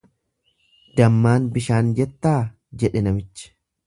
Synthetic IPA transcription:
d̪ɐmːaːnbɪʃaːnd͡ʒɛt̪ːaː | d͡ʒɛᶑɛnɐmɪt͡ʃːɪ̥

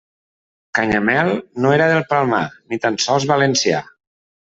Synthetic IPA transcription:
kaɲamɛlˠnoeɾəðelˠpalˠma̰nit̪ansɔlˠzβalensia̰

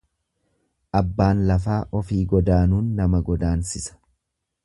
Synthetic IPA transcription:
ʔɐbːaːnlɐfaːʔɔfiːɡɔd̪aːnuːnːɐmɐɡɔd̪aːnsɪsɐ̥

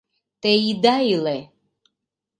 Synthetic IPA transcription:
t̪ɛid̪ailɛ

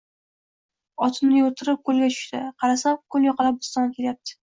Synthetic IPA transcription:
ɒt̪ʰɪmnɪjoɾt̪ʰɪɾɪp̚kʰolˠɡʲat̪ʰʊ̥ʃt̪ɪqʰɑɾasamkʰoljɒqʰɑlap̚bʊst̪ɒnkʲeljap̚t̪ʰɪ̥

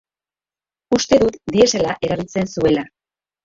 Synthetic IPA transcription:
ust̪e̞ðut̪d̪ie̞se̞laʔe̞ɾaβ̞ilt͡se̞nsue̞la

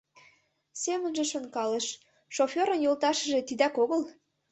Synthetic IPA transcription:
sʲemə̆nʒĕʃonkɑləʃ | ʃofʲeɾənjolt̪ɑʃə̆ʒe̽t̪id̪ækoɣəl

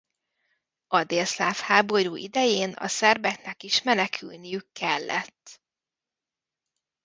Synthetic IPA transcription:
ɒd̪eːlslaːfhaːbo̞ɾuːʔid̪ɛjeːnɒ̰sɛrbɛknɛkiʃmɛnɛkʰy̰lnijykːɛlːɛ̰t̪ː

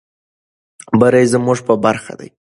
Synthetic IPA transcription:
bəɾajzəmuʐpəbaɾxa̰d̪a̰j

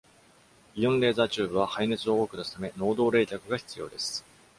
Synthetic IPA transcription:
ijõ̞nɾe̞ːzaːt͡ɕɨːbɯ̟β̞ahaine̞t͡sɨo̞okɯ̟d̪asɨ̥t̪ame̞no̞ːd̪o̞ːɾe̞ːkʲakɯ̟ɡaçi̥t͡sɨjo̞̰ːd̪e̞sɨ̥

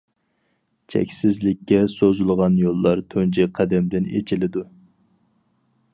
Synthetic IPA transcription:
t͡ʃʰɛ̰kʲsɪzlɪkʲːɛsozulˠʁɑnjolˠːɑɾt̪ʰønt͡ʃɛqʰæd̪ɛmd̪ɪnḛt͡ʃʰɪlɪd̪u

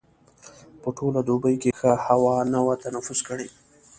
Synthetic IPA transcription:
pəʈʰolad̪obəjkexahawɑnawat̪anafʊzkəɽe

